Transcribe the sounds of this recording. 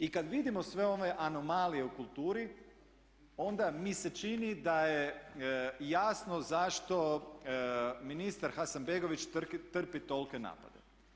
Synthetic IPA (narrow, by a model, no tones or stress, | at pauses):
ikad̪ʋid̪imo̞sʋeo̞ʋe̞ʔano̞malije̞ukulˠt̪uːɾi | o̞nd̪amise̞t͡ʃinid̪aje | jasnozaʃt̪o̞ | minist̪aɾxasanbeɡo̞ʋit͡ʃt̪kit̪r̩pit̪o̞lke̞na̰ːpa̰d̪ḛ